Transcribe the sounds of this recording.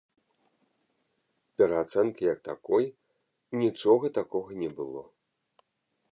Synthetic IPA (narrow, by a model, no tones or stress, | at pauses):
pʲɛɾɐat̪sɛnkʲijɐk̚t̪akɔj | nʲit͡ʂɔɣɐt̪akɔɣɐnʲɛbɨlˠɔ̰